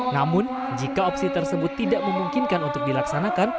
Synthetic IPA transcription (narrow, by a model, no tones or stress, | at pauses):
namʊn | d͡ʒikaopsit̪ərsəbʊt̪ːidaʔməmuŋkinkanunt̪ʊk̚dilaksanakan